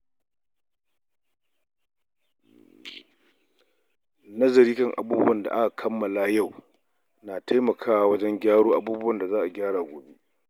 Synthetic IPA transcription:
nɐ˦zɐ˨ɾiː˦kɐ˦ŋʔa̰˨buː˦bʊ˦ɐ˨nda̰˨ʔa˦ka˨kʰɐ˦mːɐ˨laː˦ja˦˨w | naː˨tʰa˦jmɐ˨kʰaː˦wa˦wɐ˦d͡ʒɛ˦ŋɡʲaː˦ɽoː˦ʔa˦buː˦bʊ˦wɐ˨nda˨zaː˦ʔa˨ɡʲaː˦ɽaː˨ɡʷoː˨be˦ʔ

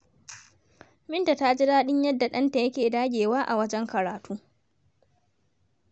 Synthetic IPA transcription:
mɪ˦nta˨ta˦d͡ʒɪ˦daː˦ɗɪ˦ɲjɐ˦dːa˨ɗɐ˦nta˨jɐ˦kʲeː˨daː˦ɡʲeː˨waː˦ʔa˨wɐ˦d͡ʒɛ˦ŋkɐ˨ɾaː˨tuː˦

